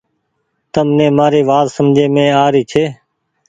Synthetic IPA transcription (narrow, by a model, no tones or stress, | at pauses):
t̪əmnẽːmaːɾeːʋaːzsəmd͡ʒʱeːmẽːaːɾiːt͡ʃʰeː